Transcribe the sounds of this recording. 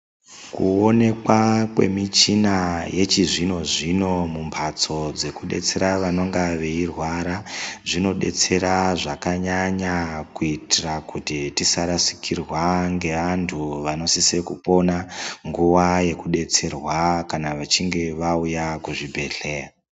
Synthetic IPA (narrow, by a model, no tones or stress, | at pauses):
kuo̞ne̞kwakwe̞̰mit͡ʃinaje̞t͡ʃiʐino̞ʐino̞mumpʰat͡so̞d͡ze̞kuɗe̞̰t͡se̞ɾaʋano̞ŋɡaʋeirwaɾaʐino̞ɗe̞̰t͡se̞ɾaʐakaɲaɲakuitirakutitisaɾasi̥kirwaŋɡe̞ʋantʰuʋano̞sisekupo̞naŋɡuʋaje̞kuɗe̞t͡se̞rwakanaʋat͡ʃiŋɡe̞ʋaujakuʐibʱe̞ɬe̞ːra